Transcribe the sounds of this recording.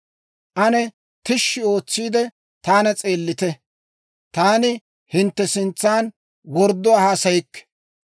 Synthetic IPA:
ʔɐnɛ | t̪ɪʃːɪo̞ːt͡sːiːd̪ɛ | t̪aːnɐt͡sʼe̞ːlːɪt̪ɛ | t̪aːnɪ | hɪnt̪ːɛsɪnt͡sːaːn | wɔɾd̪ːɔahaːsɐjɪkːɛ̥

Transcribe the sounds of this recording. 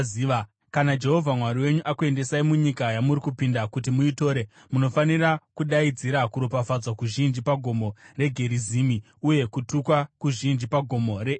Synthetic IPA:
ia | kanad͡ʒe̞ɦo̞vʱamwaɾiwe̞ɲuʔakue̞nde̞saimuɲikajamuɾikupindakutimuito̞ːɾe | muno̞fanirakuɗaid͡ziɾakuɾopafad͡zwakuʒind͡ʒipaɡʱo̞mo̞re̞ɡʱe̞ɾiziːmi | uje̞kutukwakuʒind͡ʒipaɡʱo̞mo̞ɾe

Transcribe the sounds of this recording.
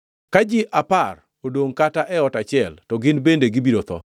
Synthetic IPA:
kad͡ʒɪʔapar | odoŋkataʔɛɔtat͡ʃɪɛltɔɡɪnbendeɡɪbiɾot̪ɔ̰

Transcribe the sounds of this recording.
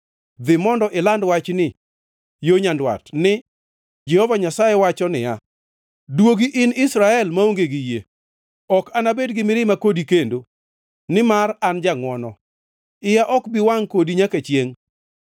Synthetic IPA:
d̪ɪmɔndɔʔɪlandwat͡ʃnɪ | joɲandwa̰tnɪ | d͡ʒɛhɔvaɲasajɛwat͡ʃɔnɪja | dwoɡiʔɪnɪsɾaɛlmaoŋɡeɡɪje | ɔkanabedɡɪmɪɾɪmakodikendo | nɪmarand͡ʒaŋwɔnɔ | ɪjaʔɔkbɪwaŋkodiɲakat͡ʃjeŋ

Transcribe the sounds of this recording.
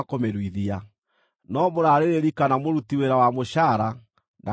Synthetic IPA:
komeɾwiðia | nɔmoɾaɾeɾeɾikanamoɾutiweɾawamoɕaɾa | na

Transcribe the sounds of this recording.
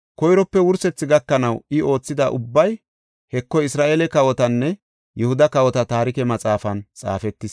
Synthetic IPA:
kɔjɾɔpːɛwʊɾsɛt͡sːɪɡɐkːɐnɐwɪo̞ːt͡sːɪd̪ɐʔʊbːɐj | hɛkːɔɪsɾaːʔeːlɛkɐwɔt̪ɐnːɛ | jɛhʊd̪ɐkɐwɔt̪ɐt̪aːɾɪkɛmɐt͡sʼaːfɐnt͡sʼa̰ːfɛt̪ːɪs

